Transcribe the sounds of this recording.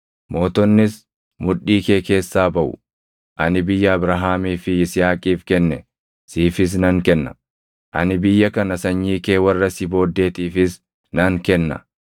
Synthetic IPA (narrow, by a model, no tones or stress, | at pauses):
mo̞ːt̪ɔnːɪs | mʊᶑːiːke̞ːke̞ːsːaːbɐʔʊ̰ | ʔɐnɪbɪjːɐːbɾaɦaːmiːfɪɪsɪaːkʼiːfkɛnːɛ | siːfɪs̬nɐŋkɛnːɐ̥̰ | ʔɐ̰nɪbɪjːɐkɐnɐsɐɲːiːke̞ːwɐrːɐsɪbo̞ːd̪ːe̞ːt̪iːfɪs | nɐŋkɛnːɐ̰